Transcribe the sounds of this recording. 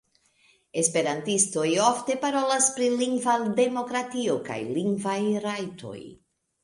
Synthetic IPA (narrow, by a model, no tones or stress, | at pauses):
e̞spe̞ɾantisto̞jofte̞paɾo̞laspɾiliŋɡvade̞mo̞kɾatio̞ka̰jliŋɡvajɾajtʰo̞̰j